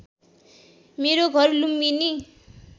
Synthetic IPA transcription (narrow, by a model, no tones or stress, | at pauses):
meɾoɡʱʌrlumːini